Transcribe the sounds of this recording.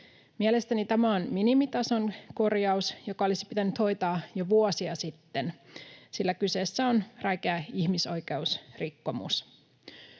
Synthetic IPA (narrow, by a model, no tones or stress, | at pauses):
miele̞st̪ænit̪æmæonminimit̪ɑso̞nko̞rjɑusjo̞kɑolisi̥pit̪ænyt̪ho̞jt̪ɑːjoʋuosiɑsit̪ːensilːækyseːsːæonrɑikeæiçmiso̞jke̞usrikːo̞mṵs